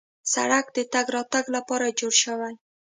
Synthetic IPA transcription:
sa̰ɽak̚d̪ət̪aɡɾɑt̪aɡlapɑɾad͡ʒoɽʃawal

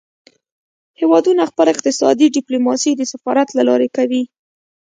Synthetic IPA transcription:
hewɑd̪unaxpəlaɪq̚t̪ɪsɑ̰d̪iɖɪplumɑsid̪əsafɑɾat̪lalɑɾekawi

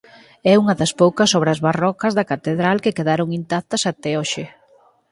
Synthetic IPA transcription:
ɛuŋɐðɐspowkɐsɔβɾɐzβarɔkɐzðɐkat̪eðɾalkɪkeðaɾoŋint̪akt̪ɐsat̪ɛoʃɪ

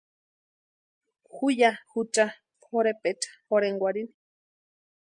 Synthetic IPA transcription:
xujahut͡ʃa | hoɾepet͡ʃḁhoɾeŋɡwʷaɾini̥

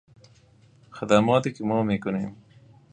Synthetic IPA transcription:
xɐd̪amɔːt̪ekimoːmekunem

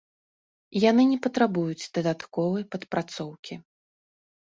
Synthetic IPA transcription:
janɨnʲɛpɐt̪ɾabujut͡sʲd̪̥ɐd̪at̪kɔvɐjpɐt̪pɾat̪sɔwkʲi

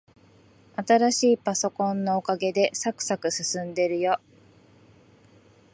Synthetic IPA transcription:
at̪aɾaɕiːpaso̞kõ̞nːo̞ːkaɡe̞d̪e̞sakɯ̟̥sakɯ̟sɨsɨ̃nd̪e̞ɾɯ̟jo̞

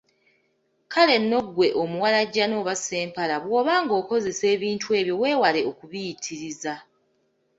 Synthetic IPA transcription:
kʰale̞nːo̞ɡwe̞ʔomuwalaɟːano̞ːβase̞ːmpalaβwo̞ːβaːŋɡo̞ːko̞ze̞se̞ːβiːntue̞ːβjo̞we̞ːwale̞okuβijitʰiɾiza

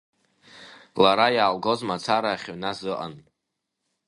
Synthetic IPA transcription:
laɾajaːlɡo̞zmat͡sʰaɾaːχʲanazɨʔa̰n

